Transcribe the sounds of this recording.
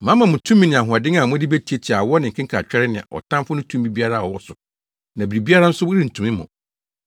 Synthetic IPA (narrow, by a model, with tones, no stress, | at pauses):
mã˦mã˨mʊ̃˨tʰũ˦mːĩ˦nɪ̃˨a˨ɦʊ˨a˨dɪ̃˦ŋ˦a˨mʊ̃˦di˦be˦tʰi˦e˦t͡ɕʰi˨a˨wɔ˦nɪ̃˨ŋ̩˨kʰɪ̃˦ŋ˦kʰa˨t͡ɕᶣɛ˦ɾɪ˦nɪ̃˨a̰˨ʔɔ̰˨tʰã˦mfʊ˦nʊ̃˦tʰũ˦mbi˦bi˦a˦ɾa˦˨ɔ˨wɔ˦sʊ˨ | nã˨bi˨ɾi˨bi˦a˦ɾa˦n̩˦sʊ˦wʊ˦ɾi˦n̩˨tʰũ˨mɪ̃˦mʊ̰̃˨